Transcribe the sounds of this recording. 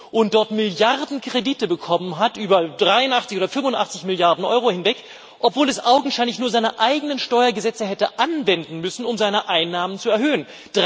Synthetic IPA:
ʔʊnt̚d̥ɔɐtmɪljaʁdn̩kʁ̥ediːtəbəkʰɔmənɦatʔyːbɐd̥ʁaɪʊnʔaχt͡sɪçoːɾɐfʏmfʊntʔa̰χt͡sɪçmɪljaɐdn̩ʔɔ̰ʏʁohɪnvɛk | ʔɔpv̥oːlɛsʔaʊɡŋ̩ʃaɪnlɪçnuːɐzaɪnəʔaɪɡənənʃtɔʏɐɡəzɛt͡səhɛtə̰ʔanvɛndn̩mʏsn̩ʊmzaɪnəʔaɪnːaːmənt͡suɛɐɦøːən | d̥ʁ

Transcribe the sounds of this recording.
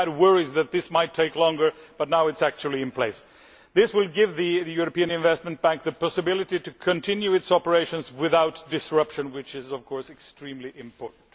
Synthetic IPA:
d̚wɜɹizðɨt̪̚ðɪsmaɪtʰːeɪklɔ̃ŋɡə˞b̥ʌtⁿnaʊɨtsæk̚t͡ʃul̩ˠiɨ̃npʰl̥eɪs | ðɪswɪlˠɡɪvðiðɨjuɹəpiɨ̃nɨ̃ɱvɛst̚mɨ̃nt̚b̥æ̃ŋk̚ðɨpɑsɨbɪlˠɨɾiɾɨkʰɨ̃ntʰɪ̃njuɨtsɑpə˞eɪʃə̃nzwɪðaʊtd̥ɨsɹʌpʃɨ̃nwɪt͡ʃɪzʌv̥kʰɔɹsɨkstɹ̥ĩmliʔɪ̃mpʰɔɹʔn̩t

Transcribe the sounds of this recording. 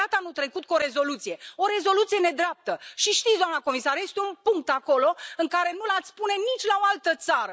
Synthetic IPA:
at̪əanut̪ɾe̞kut̪̚kuoɾe̞zo̞lut̪sije̞o̞ɾe̞zo̞lut̪sije̞ne̞d̪ɾeap̚t̪əʃiʃt̪it̪sd̪oanəko̞misaɾje̞st̪eunpuŋk̚t̪ako̞lo̞ɨŋkaɾe̞nulat̪sʲpunenit͡ʃʲlaoalt̪ət̪saɾə

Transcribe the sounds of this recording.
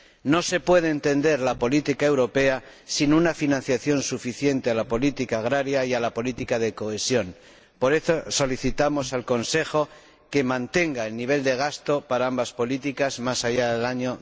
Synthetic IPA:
no̞se̞pwe̞ð̞eːnt̪e̞nd̪e̞ɾlapo̞lit̪ikaewɾo̞pe̞a | sinunafinãn̟θjaθjo̞nsufiθje̞nt̪e̞alapo̞lit̪ikaːɣɾaɾjaialapo̞lit̪ikaðe̞ko̞esjo̞n | po̞ɾe̞θo̞so̞liθit̪amo̞salko̞nse̞xo̞ | ke̞mãnt̪e̞ŋɡaelniβ̞e̞ld̪e̞ɣ̞ast̪o̞paɾaambaspo̞lit̪ikazmasajaðelaɲo̞

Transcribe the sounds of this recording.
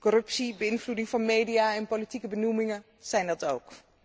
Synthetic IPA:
kɔɾɵpsibəɪnvludɪŋvɑnmejdijaːɛnpolitikəbənumɪŋə | z̥ɛjndɑtowk

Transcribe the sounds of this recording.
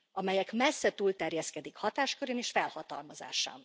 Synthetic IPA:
ɒmɛjɛkmɛsːɛt̪uːlt̪ɛrjɛskɛd̪ikhɒt̪aːʃkøɾeːneːʃfɛlhɒt̪ɒ̰lmɒza̰ːʃa̰ːn

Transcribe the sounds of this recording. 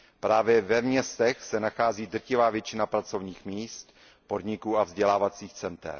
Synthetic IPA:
pɾaːvjɛvɛmɲɛst̪ɛxsɛnaxaːziːd̪r̩cɪvaːvjɛt͡ʃɪnapɾat͡so̞vɲiːxmiːst̪ | po̞dɲɪkuːavzɟɛlaːvat͡siːxt͡sɛnt̪ɛ̰ɾ

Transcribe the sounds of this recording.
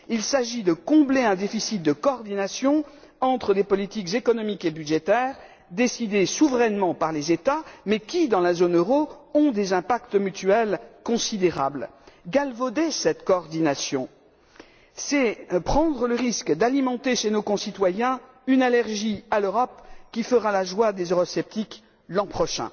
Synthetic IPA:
ilsaʒid̪əkɔ̃bleɛ̃d̪efisit̪̚d̪əkɔːʁd̪inasjɔ̃ | ɑ̃t̪χəlepɔlit̪ikzekɔnɔmikebyd̪ʒet̪ɛːʁ | d̪esid̪esuvʁɛnmɑ̃paʁlezet̪amɛkʲid̪ɑ̃lazonøʁoɔ̃d̪ezɛ̃pakt̪myt̪ɥɛlkɔ̃sid̪eʁa̰blɡalvod̪esɛt̪kɔɔʁd̪inasjɔ̰̃ | sɛpχɑ̃d̪ʁələʁiskd̪alimɑ̃t̪eʃenokɔ̃sit̪wajɛ̃ | ynalɛʁʒialøʁɔpkʲifəʁalaʒwad̪ezøʁɔsɛp̚t̪ik | lɑ̃pχɔʃɛ̰̃

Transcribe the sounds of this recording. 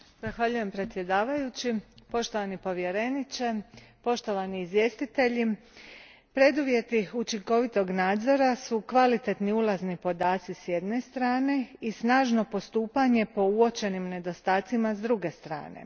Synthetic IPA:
z̥axʋaʎuje̞mpɾe̞t̪sʲje̞d̪aːʋajut͡ɕipo̞ʃt̪o̞ʋanipo̞ʋje̞ɾenit͡ʃe̞po̞ʃt̪o̞ʋaniizʋje̞ːst̪it̪e̞ʎi | pɾe̞d̪uʋje̞t̪iut͡ʃiŋko̞ʋit̪o̞ɡnaːd̪zo̞ɾasukʋalit̪e̞t̪niulˠaznipo̞d̪aːt̪sisje̞d̪ne̞st̪ɾaːne̞isnaːʒno̞po̞st̪uːpaɲe̞po̞uo̞t͡ʃe̞nimne̞d̪o̞st̪aːt̪simazd̪ɾuɡe̞st̪ɾa̰ːne̞̰

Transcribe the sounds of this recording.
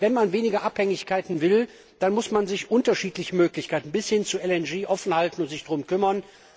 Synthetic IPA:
vɛnmanveːnɪɡɐʔaphɛŋɪçkaɪtn̩vɪl | d̥anmʊsmanzɪçʔʊntɐʃiːtlɪçəmøːklɪçkʰaɪtn̩bɪshɪnt͡suɛlɛnd͡ʒeːʔɔfn̩haltn̩ʊntz̥ɪçd̥ʁʊmkʏmɐn

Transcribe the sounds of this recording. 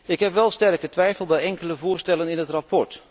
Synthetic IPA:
ɪkɦɛpʋɛlˠstɛrkətʋɛjfəlˠbɛjɛŋkələvʊːɹstɛlənɪnətrapɔɹt

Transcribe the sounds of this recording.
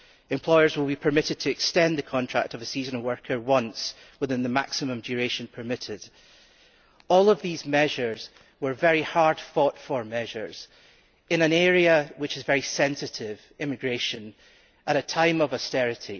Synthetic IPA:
ɨ̃mpʰl̥ɔɪə˞zwɪlˠbipʰə˞mɪʔɪd̚tʰəɛkstɛ̃nðəkʰɔ̃ntʰɹ̥a̰k̚təvəsizə̃nəwɜ˞kʰə˞wʌ̃ns | wɪθɪ̃nðəma̰ksɪmə̃md͡ʒəɹeʃə̃npʰə˞mɪʔɪd̥ | ɔlˠəvðizmɛʒə˞z̥ | wə˞vɛɹihaɹd̥fɔtfə˞mɛʒə̰˞z̥ | ɪ̃nə̃nɛɹiəwɪt͡ʃɨzvɛɹisɛ̃nsɪʔɪv̥ | ɪ̃mɪɡɹeʃə̃n | əɾətʰãɪ̃məvəstɛɹɪʔi

